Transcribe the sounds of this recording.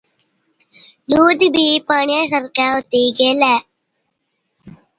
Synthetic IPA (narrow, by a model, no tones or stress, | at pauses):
luːd̪ibipaːɳjas̬ɐɾkaːwt̪iɡelɛ